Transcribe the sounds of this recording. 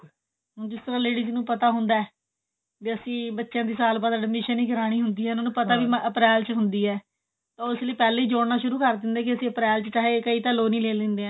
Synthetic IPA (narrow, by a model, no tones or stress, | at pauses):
ɦʊ̃d͡ʒɪst̪əɾãːleːɽiːznũːpət̪aːɦʊnd̪aːɛː | d͡ʒeəsĩːbətːʃjãːd̪iːsaːlpət̪aːɖɪmɪʃəniːɡəɾaːɽ̃iːɦʊnd̪iːɛːʊnãːnũːpət̪aːʋiːmʔəpɾɛːlt͡ʃɦʊnd̪iːɛː | t̪ãːʊsləiːpɛːleiːd͡ʒoːɽnaːʃʊɾuːkəɾd̪ɪ̃nd̪aːk̬ɪəsĩːəpɾɛːlt͡ʃət͡ʃaːɦeːkəiːt̪aːloːniːleːlɪ̃nd̪eːã